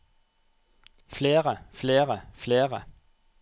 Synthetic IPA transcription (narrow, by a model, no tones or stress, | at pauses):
fleːʁəfleːʁəfleːʁə